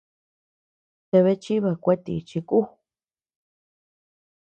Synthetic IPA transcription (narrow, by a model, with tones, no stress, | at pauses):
t̪e˧βe˧˦t͡ʃi˦βa˧kʷe˦t̪ḭ˧t͡ʃi˧ku˦